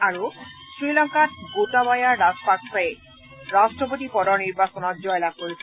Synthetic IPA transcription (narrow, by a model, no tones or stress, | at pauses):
aɹusɹilɔŋkat̚ɡotabajaɾaspaksae | ɾasʈɹɔp̬ot̪ipɔɾɔniɾbasɔnɔt̚d͡ʒɔjlakoɾisʰi